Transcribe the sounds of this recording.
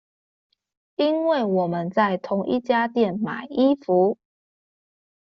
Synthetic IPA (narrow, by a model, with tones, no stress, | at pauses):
i˦nwe˥˨ɪwɔ˨˩mə˨˦nt͡sa˥˨˩ɪt̪ʰʊ˨˧˦ŋʔḭ˦t͡ɕja˦t̪jɛ˥˨nma˨˩ɪi˦fu˨˦